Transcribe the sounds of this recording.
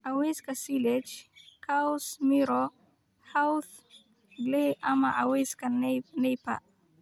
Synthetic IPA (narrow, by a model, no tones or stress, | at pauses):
aweskasilɛd͡ʒkʰasmiɾɔ | hawθ | ɡleama̰ʔaweskanejpa̰